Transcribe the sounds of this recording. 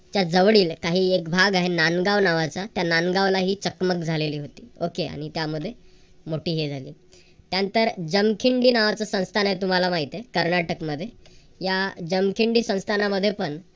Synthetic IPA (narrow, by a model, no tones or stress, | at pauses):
t̪jad͡zəʋɽiːlkaɦiːekbʱaɡaɦenanɡaʋnaʋat͡sat̪jananɡaʋlaɦiːt͡səkmək̚d͡zʱaleliːɦot̪i̥ːokea̰ɽ̃it̪jaməd̪ʱːje | moʈiːɦed͡zʱalḭː | t̪jant̪əɾd͡ʑəmkʰiɳɖiːnaʋat͡sasə̃w̃st̪ʰanaɦet̪um̤alamaɦit̪ekəɾnaʈəkməd̪ʱːje | jad͡ʑəmkʰiɳɖiːsə̃w̃st̪ʰanaməd̪ʱːjepəɳ